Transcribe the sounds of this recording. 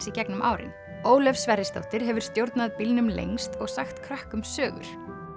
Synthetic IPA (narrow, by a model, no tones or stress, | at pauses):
sicɛknʏmʔa̰ːwɾɪ̰n | oːwlɛfsːvɛrɪst̪o̰wht̪ɪɾɦɛvʏɾ̥st̪jowɾt̪naðpilnʏmlḛjŋst̪ɔɣsaxt̪kʰɾahkʏmsœːɣʏ̰ɾ̥